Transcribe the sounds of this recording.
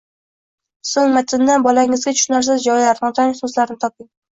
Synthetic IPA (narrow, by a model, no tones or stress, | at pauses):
sɪŋmat̪ʰɪnd̪anbɒlaɪŋɪzɡʲat̪ʰʊ̥ʃʊnaɾs̬ɪzd͡ʒɒjlaɾnɪt̪ʰanɪsʊslaɾnɪt̪ʰɒp̚ɪŋ